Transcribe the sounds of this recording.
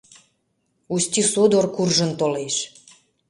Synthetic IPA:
ust̪ʲisod̪orkurʒə̆nt̪oleʃ

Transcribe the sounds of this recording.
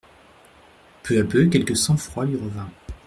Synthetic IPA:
pʰøapøkʲɛlkəsɑ̃fχwalɥiʁəvɛ̃

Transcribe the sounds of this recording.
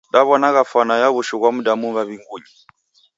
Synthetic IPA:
ɗaβɔnaɣafanajaβuʃɔɣwamuɗamuβaβiŋɡuɲi

